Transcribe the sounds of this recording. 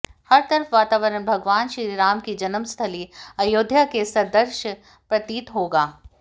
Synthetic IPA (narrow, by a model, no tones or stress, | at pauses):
hɐɾt̪ɐɾəfʋaːt̪aːʋəɾənbʱɐɡʋaːnʃɾiːɾɾaːmkid͡ʒɐnəmst̪ʰəliɐjoːd̪ʱjakesɐd̪əɾʃə | pɾɐt̪iːt̪ɦoːɡaː